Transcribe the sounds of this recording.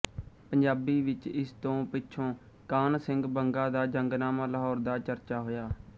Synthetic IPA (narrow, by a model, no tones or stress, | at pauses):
pəɲd͡ʒaːbiːʋɪt͡ʃɪst̪õːpɪʃʰõː | kaːnsɪŋɡbəŋɡãːd̪aːd͡ʒəŋɡnaːmaːləɦɔːɾd̪aːt͡ʃəɾt͡ʃaːɦoːjaː